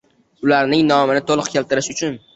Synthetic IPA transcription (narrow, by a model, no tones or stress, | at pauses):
ʊlaɾnɪŋnɒmɪnɪt̪ʰolˠɨqkʲʰelt̪ɪɾɪʃʊt͡ʃʰʊn